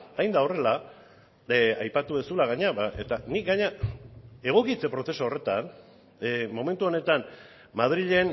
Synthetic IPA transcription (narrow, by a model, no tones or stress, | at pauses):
ajnd̪ao̞re̞la | ajpat̪uesulaɣ̞aɲaβaet̪anik̚ɡaɲa | e̞ɣ̞o̞kit͡se̞pɾo̞θe̞soːre̞t̪an | mo̞me̞nt̪uo̞ne̞t̪an | maðɾiʎe̞n